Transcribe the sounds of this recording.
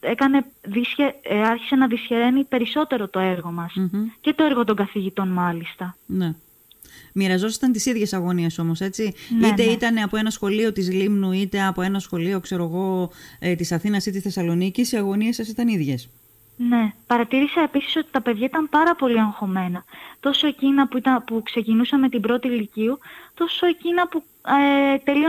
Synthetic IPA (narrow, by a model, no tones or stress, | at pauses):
e̞kɐne̞ðisçeɐɾçi̥se̞nɐðisçeɾe̞nipe̞ɾiso̞t̪e̞ɾo̞t̪o̞e̞ɾɣo̞mɐsce̞t̪o̞eɾɣo̞t̪o̞ŋɡɐθiʝit̪o̞nmɐlist̪ɐne̞ | miɾɐzo̞sɐ̥st̪ɐnt̪isiðʝe̞sɐɣo̞nieso̞mo̞se̞t͡sinit̪e̞it̪ɐne̞ɐpoe̞nɐsxo̞lio̞t̪izlimnuit̪e̞ɐpo̞e̞nɐsxo̞lio̞kse̞ɾo̞ɣo̞et̪isɐθinɐsit̪isθe̞sɐlo̞nicisiɐɣo̞niesːɐs̬it̪ɐniðʝe̞s | ne̞pɐɾɐt̪iɾisɐe̞pisi̥so̞t̪i̥t̪ɐpe̞ðʝɐit̪ɐmpɐɾɐpo̞liɐŋxo̞me̞nɐt̪o̞so̞e̞cinɐt̪ɐpukse̞cinusɐme̞t̪ibɾo̞t̪iliciut̪o̞so̞e̞cinɐpu | et̪e̞lio